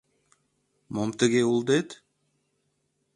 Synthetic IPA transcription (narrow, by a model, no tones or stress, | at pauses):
momt̪ɨɡeulˠd̪et̪